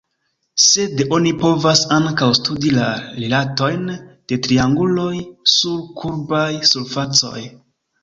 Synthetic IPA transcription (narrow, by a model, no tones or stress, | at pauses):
se̞do̞nipo̞vasaŋkawstudilaɾelato̞jnd̥e̞tɾiaŋɡulo̞jsuɾkʰuɾbajsulfat͡so̞̰j